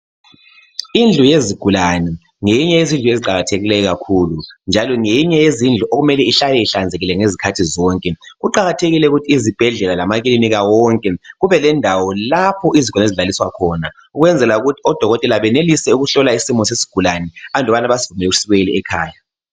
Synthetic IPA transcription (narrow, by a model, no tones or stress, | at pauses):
ind͡ɮʱujeziɡ̥ʱulanɛ | ŋejiɲɛjezind͡ɮʱujeziǃaɣatʰeɣilɛjɔɣakʰulund͡ʒʱalɔŋejiɲɛjezind͡ɮʱuʔoɣumɛlɛiɬalɛiɬand͡zʱeɣilɛŋezikʰatʰizɔŋkʼɛɣuǃaɣatʰeɣilɛuɣutʰiːzib̥ʱɛɮɛlalamaɣ̬iliniɣawɔŋkʼɛɣuβɛlɛndʱawɔlapʰɔʔiziɡ̥ʱaneziɮaliswakʰɔna | uɣwɛnd͡zʱɛlauɣutʰiɔd̥ʱɔɣɔtʼɛlaβɛnelisɛuɣuɬɔlaisimɔsesi̥ɡ̥ʱulanɛandʱɔβanaβazivumɛlɛɣu̥siβeliɛkʰaːja